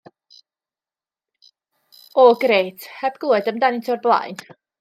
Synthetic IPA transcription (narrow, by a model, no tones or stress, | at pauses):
ɔɡrejtʰhɛbɡʊlɛdəmdanɪntʰɔrblˠa̰jn